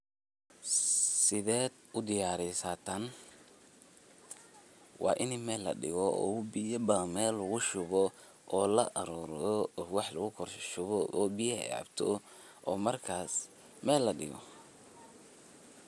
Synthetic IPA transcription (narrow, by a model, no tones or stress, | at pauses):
sɪðɛːd̪ | ʊd̪ɪjaːɾɪsat̪ʰɐn | wʔɑ̰ːʔɪnɪmɛːlːɐ̰ɖɪ̰ɣɔɔ̰bɪɐbɐmɛːlːɐɣʊʃʊβɔ | ʔɔːlɐʔɐɾɔːɾɔwɑħlɐɣʊkʰɔrʃʃʊβɔɔːbɪjɐa̰bt̪ʰɔ | ʔɔːmɐrkʰaːs | mɛːlːɐɖɪ̰ɣɔ̰